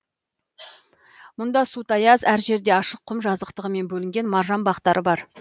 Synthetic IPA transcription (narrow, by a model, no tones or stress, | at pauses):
mʊnd̪ɑsut̪ɑjɑzæɾʒe̞ɾd̪e̞ɑʃəqʰːʊmʒɑzəqt̪əʁəme̞nbɵlɪŋɡʲe̞nmɑɾʒɑnbɑqt̪ɑɾəbɑɾ